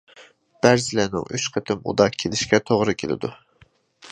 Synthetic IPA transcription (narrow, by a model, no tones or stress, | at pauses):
b̥æɾzɪlænɪ̰ŋʔyt͡ʃqʰət̪ʰɪmṵd̪ɑkʲʰelɪʃkʲɛt̪ʰoʁɾɨkʲʰelɪ̰d̪u